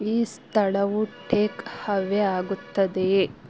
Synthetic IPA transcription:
iːst̪ʰɐɭɐʋuʈʰeːkhɐʋeaːɡut̪ːɐd̪e

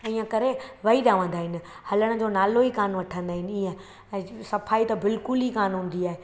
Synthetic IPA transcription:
ĩːə̃kɐɾeʋɐiɗjaːʋə̃n̆d̪aːɦɪnɪ̆ | hɐləɽ̃̆d͡ʑonaːloikaːnʋɐʈʰə̃nd̪aːɦɪnɪiə̃ | sɐfʰaːit̪ɐbɪlkʊlɦikaːnɦũːn̆d̪iaːɦe

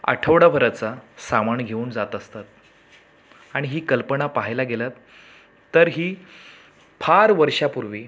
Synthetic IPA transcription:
ə̰ʈʰəʋɽabʱəɾat͡sasamaɳɡʱeuːnd͡zat̪əst̪at̪̚ | aɽ̃iɦiːkəlpəɳapaɦajlaɡelat̪ː | əɾɦiː | pʰaɾʋəɾʂapuɾʋiː

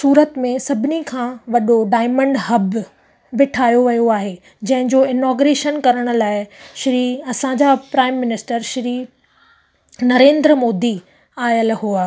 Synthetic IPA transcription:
suːɾət̪mẽsɐbʱɪnikʰãʋɐɗoɖaːɪmə̃ɳɖɦɐb | bɪʈʰaːjoʋɐjoaːɦeː | d͡ʑɐ̃ɦɪ̃d͡ʑoːɪnɔːɡɾeːʃənkɐɾəɽ̃ʊ̆laːɪʃɪɾiːɐsãd͡ʑapɾaːɪmːɪnɪsʈəɾʃɪɾiː | nɐɾẽːnd̪ɾəmoːd̪i | aːjəlɦuaː

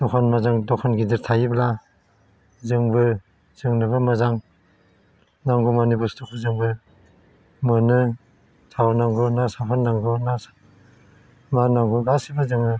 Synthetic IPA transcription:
d̥ɔkʰanmazaŋdɔkʰanɡidiɾtʰajibla | zɯŋbɯ | z̥ɯŋnɯβɯmazaŋ | naŋɡumanibustʰɔk̚ɯzɯŋbɯ | mɯnɯ | tʰawnaŋɡunasapʰannːaŋɡɯnas | manaŋɡulasibɯzɯŋnɯ

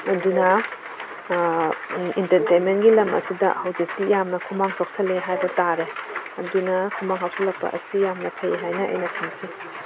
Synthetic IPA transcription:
ɐdunɐ | intɐɾtejnmenɡilɐmɐ̰sidɐ̰hɐwzik̚tijamnɐkʰumaŋtɔk̚sɐleɦajbɐtaɾeɐdunɐkʰumaŋɦawsɐlɐk̚pɐ̰ʔɐ̰sijamnɐpʰɐjɦajnɐʔɐ̰jnɐtʰɐnsi

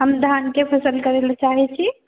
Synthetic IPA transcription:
ɦəmd̪ʱankepʰəsəlkəɾelt͡ʃaɦɛt͡ʃʰi

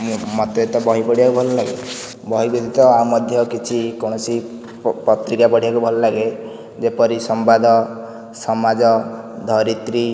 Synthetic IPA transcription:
mɔt̪et̪ɔbɔɦibɔɽiakubʱɔlɔlaɡe | bɔɦibud̪it̪ɔaumɔd̪ʱjɔkit͡ʃʰikɔɽ̃ɔsi | pɔt̪ɾikabɔɽ̤iakubʱɔlɔlaɡe | d͡ʒepɔɾisɔmbad̪ʱɔ | sɔmad͡ʒɔ | d̪ʱɔɾit̪ɾi

